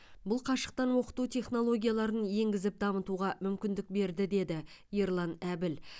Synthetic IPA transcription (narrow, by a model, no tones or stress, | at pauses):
bʊlˠqʰɑʃə̥q̚t̪ɑnwo̞qə̥t̪ut̪ʰʲe̞χno̞lˠo̞ɡʲijalˠɑɾənje̞ŋɡʲɪzɪp̚d̪ɑmət̪uʁɑmʏmkʲɪnd̪ɪk̚be̞ɾd̪ɪd̪e̞d̪ɪ | je̞ɾlˠɑnæbɪl